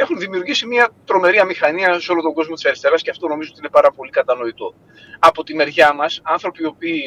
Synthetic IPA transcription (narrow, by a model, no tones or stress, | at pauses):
e̞xunðimiuɾʝisimɐt̪ɾo̞me̞ɾiɐmixɐniɐso̞lot̪o̞ŋɡo̞zmot̪isɐɾist̪e̞ɾɐsceɐft̪o̞no̞mizoot̪ine̞pɐɾɐpo̞likɐt̪ɐno̞it̪o̞̰ | ɐpo̞t̪ime̞ɾʝɐmɐsɐnθɾo̞pio̞piː